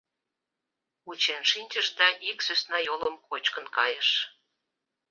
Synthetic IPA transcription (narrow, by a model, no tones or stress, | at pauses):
ut͡ɕenʃinʲt͡ɕəʃd̪ɑʔiksøsnɑjoləmkot͡ɕkənkɑjəʃ